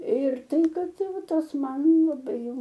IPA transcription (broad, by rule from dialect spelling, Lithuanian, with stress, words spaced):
ɪr ˈtɐɪ ˈkɐt ˈtɐɪ ˈʋɐ ˈtɐs ˈmɐn lˠɐˈbɐɪ jɛʊ